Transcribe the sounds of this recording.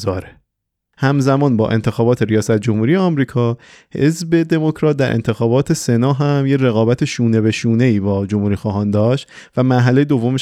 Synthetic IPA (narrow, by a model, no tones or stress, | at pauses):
zɒːɾe | hæmzæmɒːnbɒ̰ːʔe̞nt̪ʰe̞xɒːbɒːt̪ʰe̞ɾijɒːsæt̪̚d͡ʒomhuːɾije̞ɒmɾiːkʰɒː | he̞̰zbe̞d̪e̞mo̞cʰɾɒːt̪̚d̪æɾʔḛnt̪ʰe̞xɒːbɒːt̪ʰe̞se̞nɒːɦæmjeɾe̞ɣɒːbæt̪ʰeʃuːne̞βe̞ʃuːne̞iːbɒːd͡ʒomhuːɾiːxɒːɦɒːnd̪ɒːʃt̪ | væmæɾɦæle̞jed̪o̞vːome